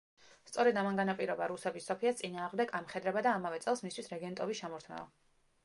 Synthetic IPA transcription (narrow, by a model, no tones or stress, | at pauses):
st̪sʼɔɾɛd̪amaŋɡanapʼiɾɔbaɾusɛbisːɔpʰiast̪sʼinaːʁmd̪ɛɡamχɛd̪ɾɛbad̪aːmavɛt̪sʼɛlˠsmist̪ʰwisɾɛɡɛnt̪ʼɔbiʃamɔɾt̪ʰmɛ̰ɔ̰